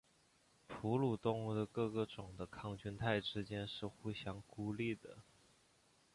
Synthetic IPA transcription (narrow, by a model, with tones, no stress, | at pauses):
pʰu˧˥lu˨˩t̪ʊ˥ŋu˥˩d̪ə˨kɤ˥˧˩kɤ˥˩ʈ͡ʂʊ˨˩ŋd̪ə˦kʰɑ˥˧ŋt͡ɕy˥nt̪ʰa˥˩ɪʈ͡ʂɻ̩˥t͡ɕjɛ˥nʂɻ̩˥˧xu˥˩ɕjɑ˥ŋku˥li˥˩d̪ə˩